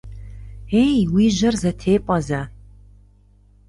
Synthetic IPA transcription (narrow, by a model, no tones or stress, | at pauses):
eːjwiːʑɐrzɐtʰeːpʼɐzɐ